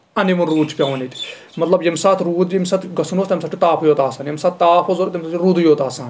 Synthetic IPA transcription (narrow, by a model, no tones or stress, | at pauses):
ɐnimunɾuːt͡ʃʰpʲjaːʋnit̪ | mɐt̪lɐbjɐmsaːt̪ʰɾuːd̪imsat̪ʰɡɐsnoːst̪ːɐmsaːʈʰit̪aːpʰojoːt̪aːsaːnjemsaːt̪t̪aːpʰoːzoɾt̪emsɾuːd̪joːt̪aːsãːn